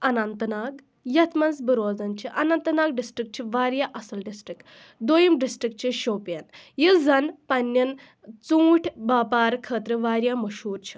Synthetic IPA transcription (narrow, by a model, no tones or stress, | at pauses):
ɐnɐnt̪ɐnaːɡ | jɐt̪ʰmɐnzbɨɾoːd͡zɐnt͡ʃʰiʔɐnɐnt̪naːɡɖisʈɾik̚t͡ʃʰiʋaːɾjaʔɐsɐlɖisʈɾik | d̪ojimɖisʈɾik̚t͡ʃʰiʃoːpjɐnjild͡zɐnpɐnːjɐn | t͡sũːʈʰbaːpaːɾkʰəːt̪ɾɨʋaːɾjamɐʃɦuːɾt͡ʃʰi̥